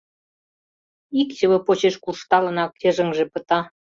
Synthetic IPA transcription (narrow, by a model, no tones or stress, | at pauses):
ikt͡ɕʲə̆βə̆pot͡ɕeʃkuʃt̪ɑlə̆nɑkĕʒə̆ŋʒepə̆t̪ɑ